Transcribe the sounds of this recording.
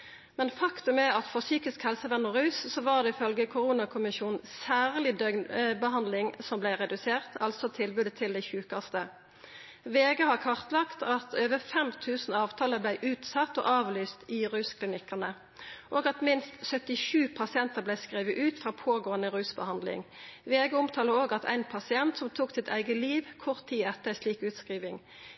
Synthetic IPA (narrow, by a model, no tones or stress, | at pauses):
mɛnfɑkt̪ʉmɛɑt̪fɔʁsyːkɪskhɛlsəʋɛnːɔʁʉːssɔʋɑːʁd̪ɛɪfœlɡəkʰʊʁuːnɑkʰʊmɪʃuːnn̩sæːʁlɪd̪œbəɦɑnd̪lɪŋsɔmblæɪʁɛd̪ʉseːʁt̪ʰɑlsɔt̪ʰɪlbʉːd̪ət̪ʰɪld̪æɪçʉːkɑst̪ə | ʋeːɡəhɑʁkʰɑʁt̪lɑkt̪ʰɑt̪ʰøːʋəfɛmt̪ʰʉːsn̩ɑːʋt̪ʰɑːləblæɪʔʉːt̪sɑt̪ːo̰ːʔɑːʋlyːst̪ɪʁʉːskʰlɪnɪkːənə | ʔoːɡɑt̪mɪnst̪sœt̪ɪʃʉːpʰɑsɪɛnt̪əʁblæɪskʁiːʋəʔʉːt̪fʁɑːpʰoːɡoːənəʁʉːsbəhɑnd̪lɪ̰ŋʋeːɡəʊmt̪ʰɑːləoːɡɑt̪ʰæ̰ɪnpʰɑsɪɛnt̪sɔmt̪ʰuːksɪt̪ʰæ̰ɪɡəliːʋkʰʊʁt̪ʰːiːɛt̪ːəsliːkʉːt̪skʁiːʋɪŋ